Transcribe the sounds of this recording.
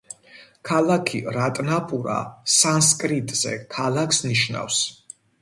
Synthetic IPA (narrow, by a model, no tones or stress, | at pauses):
kʰalˠakʰiɾat̪ʼnapʼuɾa̰sanskʼɾit̪ʼz̥ɛ̰kʰalˠakʰsniʃna̰fs